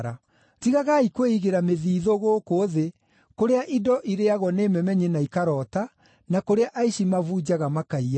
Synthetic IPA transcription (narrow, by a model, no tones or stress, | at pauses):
ɾa | tiɣaɣaikweiɣeɾameðiːðoɣoːkoðe | koɾeaʔidɔʔiɾeaɣwɔneːmɛmɛɲenaikaɾɔta | nakoɾeaʔaiɕimavuːd͡ʑaɣamakaia